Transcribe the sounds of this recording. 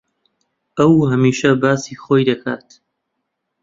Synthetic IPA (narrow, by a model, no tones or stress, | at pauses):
ɐwhɐmiːʃɐbaːsiːχoːjd̪ɐkʰa̰ːt̪